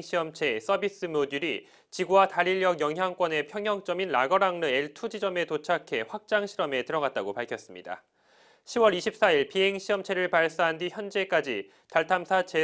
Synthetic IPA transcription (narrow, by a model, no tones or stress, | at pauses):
ɕʰiʌmt͡ɕʰe̞s͈ʌbis͈ɯmoduɾi | t͡ɕiɡuwataɾiʎːjʌɡjʌŋɦjaŋk͈wʌne̞pʰjʌŋɦjʌŋt͡ɕ͈ʌminːaɡʌɾaŋnɯe̞ɭtʰud͡ʑid͡ʑʌme̞tot͡ɕʰakʰe̞ɸwak̚t͡ɕ͈aŋɕʰiɾʌme̞tɯɾʌɣat̚t͈aɡopaɭkʰjʌs͈ɯmɲida̰ | ɕʰiwʌɾiɕʰip̚s͈aiɭpiɦe̞ŋɕʰiʌmt͡ɕʰe̞ɾɯɭpaɭs͈aɦandiçjʌnd͡ʑe̞k͈ad͡ʑi | taɭtʰamsʰat͡ɕe̞